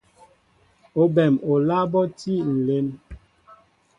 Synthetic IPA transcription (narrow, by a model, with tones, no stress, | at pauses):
o˨bɛ˨mo˨la˦bɔ˦ti˦˨n̩˨le˦n